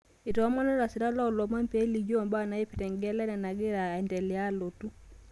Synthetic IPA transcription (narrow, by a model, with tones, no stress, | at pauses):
i˨tɔ˨˦mɔ˦nɛ˦ɾa˨si˨ɾa˦la˦ɔ˨lɔ˨ma˦mpe˦li˨d͡ʒɔ˦˨mba˦na˨˦i˦pi˨tɛ˨ŋɡɛ˦lɛ˦nɛ˨na˨ɡi˦ɾa˨ɛ˨ntɛ˨li˨a˦lo˨tu˦